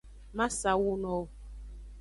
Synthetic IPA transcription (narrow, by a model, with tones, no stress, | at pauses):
ma˦sa˨wu˦nɔ˨